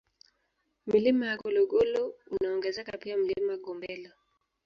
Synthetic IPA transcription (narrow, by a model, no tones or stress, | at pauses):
milimajakɔlɔɡɔlɔunaɔŋɡɛzɛkapiam̩limajaɡɔmbɛla